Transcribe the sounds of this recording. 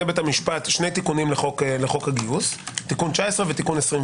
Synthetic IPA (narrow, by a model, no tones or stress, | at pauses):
ebet̪amiʃpat̪ʃne̞jt̪ikunimleχokleχo̞khaɡiust̪ːikunt͡ʃaesʁevet̪ikunesʁim